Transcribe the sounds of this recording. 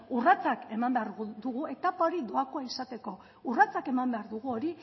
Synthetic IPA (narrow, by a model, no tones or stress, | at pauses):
urat͡sake̞mambeaɾɣud̪uɣue̞t̪apao̞ɾid̪o̞akoaisat̪e̞ko̞ | urat͡sake̞mambe̞aɾðuɣ̞uo̞ɾi